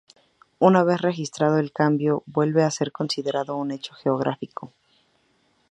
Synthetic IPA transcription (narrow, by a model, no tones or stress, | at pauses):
unaβ̞e̞sre̞xist̪ɾað̞o̞e̞lkambjo̞bwe̞lβe̞ase̞ɾko̞nsiðe̞ɾaðoune̞t͡ʃo̞xe̞oɣ̞ɾʔa̰fiko̞